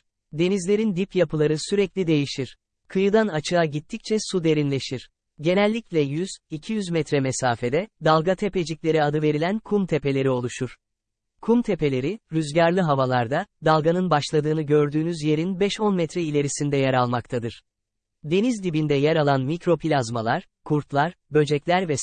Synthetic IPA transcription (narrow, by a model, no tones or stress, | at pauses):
d̪e̞nizlʲe̞ɾind̪ipjapʰɯlˠaɾɯsyɾɛclʲid̪e̞jiʃiɾ̥ | kʰɯjɯd̪anat͡ʃʰɯaɟit̪ʰːic̚t͡ʃʰɛsud̪e̞ɾinlʲe̞ʃiɾ̥ | ɟe̞nɛlʲːiclʲɛjyz̥icʰijyzmɛt̪ɾɛmesaːfe̞d̪ɛd̪alˠɡat̪ʰe̞pe̞d͡ʒiclʲe̞ɾiad̪ɯve̞ɾilʲænkʰumt̪ʰe̞pe̞lʲe̞ɾio̞lˠuʃuɾ̥ | kʰumt̪ʰe̞pe̞lʲe̞ɾiɾyzɟaɾlʲˠiɦavalˠaɾd̪ad̪alˠɡanɯnbaʃlˠad̪ɯːnɯɟø̞ɾd̪yːnyzje̞ɾinbɛʃonmɛt̪ɾɛilʲe̞ɾisind̪ɛjɛɾalˠmak̚t̪ʰad̪ɯɾ̥ | d̪e̞nizd̪ibind̪ɛjɛɾalˠanmicɾo̞pʰilʲazmalˠaɾ̥ | kʰuɾt̪lˠaɾbø̞d͡ʒɛclʲæɾvɛ